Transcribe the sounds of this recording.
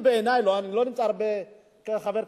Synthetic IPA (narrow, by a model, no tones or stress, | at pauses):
bɛːnajlɔanilonit͡sʼaɾbɛ | kɛxavɛɾ